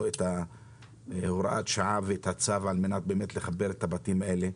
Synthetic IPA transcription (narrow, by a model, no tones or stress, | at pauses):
et̪a | hoɾaʔat̪ʃaʕaveet̪hat͡savaalmenat̪̚beːmet̪leχabeɾet̪habatimaʔe̞le